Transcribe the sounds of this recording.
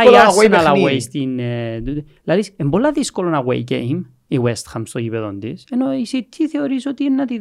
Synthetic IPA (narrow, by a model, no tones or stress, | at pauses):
aɣwenɐlɐweist̪int̪u | lɐðisembolːɐðiskolonɐɣwḛicḛim | iwest̪xamst̪ojipeðond̪isenoisit̪ʰːiθeoɾisot̪inːɐt̪i